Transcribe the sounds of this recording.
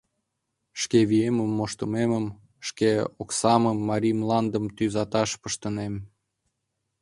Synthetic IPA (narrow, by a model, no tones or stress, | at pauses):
ʃkeβieməmːoʃt̪əmeməm | ʃkeoksɑməmːɑɾʲimlɑnd̪əmt̪yzɑt̪ɑʃpəʃt̪ənem